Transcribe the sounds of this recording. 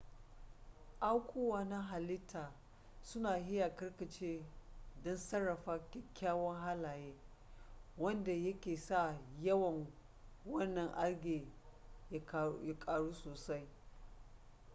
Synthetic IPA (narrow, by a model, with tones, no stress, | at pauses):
ʔa˦wkʷʰuː˦waː˦na˦ɦa˨lɪ˦tʰːaː˨ | sʊ˦naː˨ɦɪ˦ja˨kɐ˦ɽkɐ˨t͡ʃeː˦dɔ˦nsɐ˦rːɐ˨ɸaː˦kʲɛ˦kʲːaː˦wɐ˦ŋɦa˦laː˨jeː˦ | wɐ˦nda˨jɐ˦kʲeː˨sa˦˨jɐ˦wɐ˨ŋ | wɐ˦nːɐ˨ŋʔa˦ɽɡʲeː˨ | ja˦kʼaː˨ɽuː˦soː˨sa˦j